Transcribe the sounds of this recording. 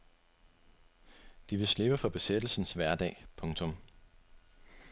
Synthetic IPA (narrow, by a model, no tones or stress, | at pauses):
d̥iʋe̝sle̝b̥əfɒ̽b̥e̝sed̥l̩sn̩sʋæɐd̥ɛ̰ːpʰɔ̽ŋt͡sʰɔ̽m